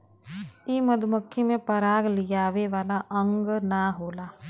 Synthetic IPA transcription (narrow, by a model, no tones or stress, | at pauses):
iːmɐd̪ʱməkʰːimẽpɐɾaːɡlijaːʋeʋaːlaʔə̃ŋɡnaɦoːlaː